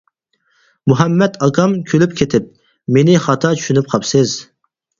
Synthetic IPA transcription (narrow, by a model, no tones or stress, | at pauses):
muɦɛmːɛt̪ʰɑɡɑmkʲʰølypkʲʰet̪ʰɪp̚ | menɪχɑt̪ʰɑt͡ʃʰy̥ʃynyp̚qʰɑpsɨz